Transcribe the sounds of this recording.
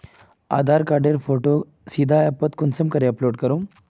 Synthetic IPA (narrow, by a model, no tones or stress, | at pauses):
a̰ːd̪ʱaɾkaɾɖeɾfʰoːʈo | sid̪ʱaɛpət̪kunsəmkəɾeɐploːɖkəɾũː